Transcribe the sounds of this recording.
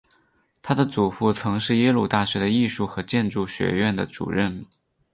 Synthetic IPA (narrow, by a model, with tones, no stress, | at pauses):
t̪ʰa˥d̪ə˨t͡su˨˩fu˥˩t͡sʰɤ˧˥ŋʂɻ̩˥˩jɛ˥lu˥˩t̪a˥˩ʂɛ˥d̪ə˧i˥˧ʂu˥˩xɤ˧˥t͡ɕjɛ˥˧nʈ͡ʂu˥˩ɕɥɛ̰˧˥ɥɛ˥˩nd̪ə˩ʈ͡ʂṵ˨˩ɻə˥˩n